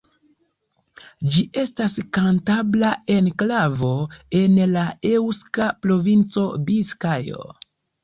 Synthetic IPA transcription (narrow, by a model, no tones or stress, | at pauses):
d͡ʒiʔe̞staskantablae̞nklavo̞e̞nlaewskapɾo̞vint͡so̞biskajo̰